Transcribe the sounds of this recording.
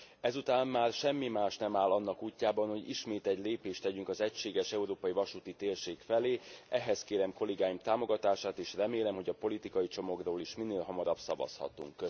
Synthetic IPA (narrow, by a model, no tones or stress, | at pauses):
ɛzut̪aːmːaːrʃɛmːimaːʃnɛmaːlɒnːɒkuːcːaːbɒnho̞ɟiʃmeːt̪ɛɟleːpeːʃt̪ɛɟyŋkɒzɛcʃeːɡɛʃɛuɾoːpɒjivɒʃuːt̪it̪eːrʃeːkfɛleːʔɛɦɛskeːɾɛmko̞leːɡaːjumt̪aːmo̞ɡɒt̪aːʃaːt̪eːʃrɛmeːlɛmɦo̞ɟɒpo̞lit̪ikɒjit͡ʃo̞mɒɡroːliʃmineːlɦɒmɒɾɒbsɒvɒ̰shɒ̰t̪ṵŋkːø